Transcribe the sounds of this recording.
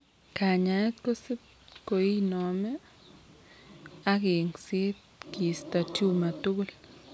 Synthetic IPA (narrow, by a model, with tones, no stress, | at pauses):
ka˨ɲa˨ɛ˦t̪ko˦sɪ˦p̚ | ko˨i˦nɔ˨mɛ˦ | a˦ɡɪ˨ŋsɪ˦t̪ | ki˨st̪a˨tju˦ma˨tu˦ɡl